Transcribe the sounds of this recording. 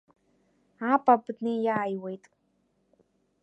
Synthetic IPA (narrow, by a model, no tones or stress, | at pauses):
aːpʼapɨd̪nijaːjwejt̪ʼ